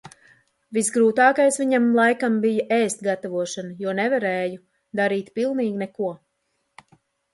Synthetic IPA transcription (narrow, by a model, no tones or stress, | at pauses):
visɡɾuːt̪aːkajsviɲamlˠajkambijaʔɛːst̪̚ɡat̪avuɔʃanɐjuɔnɛvaɾɛːju | d̪aɾiːt̪pilˠniːɡʲnɛkuɔ